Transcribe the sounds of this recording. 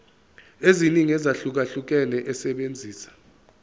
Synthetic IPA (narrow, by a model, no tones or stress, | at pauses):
eziniŋiɛzaɬuk̬aɬuk̬ɛlɛʔɛsɛɓend͡zʱiːsḁ